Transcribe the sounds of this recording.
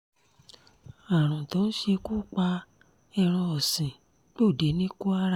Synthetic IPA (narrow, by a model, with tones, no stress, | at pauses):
a˨ɾ̃ɔ̃˨tɔ̃˨˦n̩˦ʃe˧kuː˦˨k͡pa˧ | ɛ˧˨ɾ̃ɔ̃˧ɔ˨sĩ˨ | k͡pe˦o˦˨de˨˦nĩ˦ku˦a˦ɾa˦